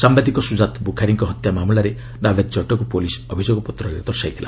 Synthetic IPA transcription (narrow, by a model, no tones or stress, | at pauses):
sambad̪ikɔsud͡ʒat̪bukʰaɾiŋkɔɦɔt̪jamamuɭaɾe | nabet̪̚t͡ʃɔʈɔkupolisɔbʱid͡ʒoɡɔpɔt̪ɾɔiɾɔd̪ɔɾsajt̪ʰila̰